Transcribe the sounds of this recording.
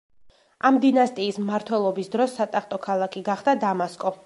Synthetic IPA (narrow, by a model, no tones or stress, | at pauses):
amd̪inast̪ʼiːsmaɾt̪ʰwɛlˠɔbisd̪ɾɔsːat̪ʼaχt̪ʼɔkʰalˠakʰiɡaχd̪ad̪amaskʼɔ